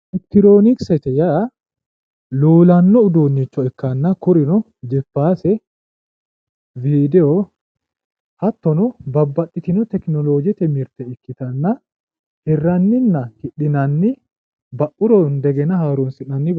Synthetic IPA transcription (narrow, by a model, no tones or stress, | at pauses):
ɛk̚t̪ɪɾoːnɪksɛt̪ɛjɐ | luːlɐnːɔʊd̪uːnːɪt͡ʃːɔɛkːɐnːɐkʊɾɪnɔ | d͡ʒɛfːaːsɛ | viːd̪ɛɔ | hɐt̪ːɔnɔbɐbːɐᶑːɪt̪ɪnɔt̪ɛknɔloːd͡ʒɛt̪ɛmɪɾt̪ɛɪkːɪt̪ɐnːɐ | hɛrːɐnːɪnːɐhɪᶑɪnɐnːɪ | bɐʔʊɾɔnd̪ɛɡɛnɐhaːɾunsɪnɐnːɪb